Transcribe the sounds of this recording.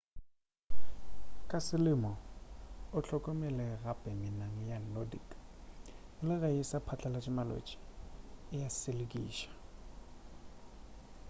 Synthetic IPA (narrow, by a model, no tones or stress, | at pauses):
kʼasɪlɪmɔ | ʊt͡ɬʰɔkʼɔmɪlɛɣapʼɛmɪnaŋ̩jalodḭkʼ | lɪɣaɪsapʰat͡ɬʼalat͡ʃʼɪmalo̰t͡ʃʼi̥ɪjasɪlɪkʼḭːʃḁ